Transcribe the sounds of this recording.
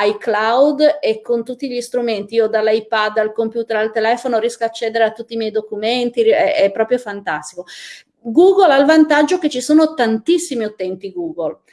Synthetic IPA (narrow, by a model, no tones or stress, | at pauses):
ajklawd̪ekːont̪ut̪ːiʎist̪ɾument̪iiod̪alːajpad̪ːalkompjuːt̪eɾalt̪elɛːfonoɾjɛskaːt͡ʃːɛːd̪eɾeat̪ːut̪ːimjɛjd̪okument̪iɛɛpːɾɔːpɾjofant̪ast̪iko | ɡuːɡolalvant̪ad͡ʒːoket͡ʃːisoːnot̪ant̪isːimiut̪ːɛnt̪iɡuːɡol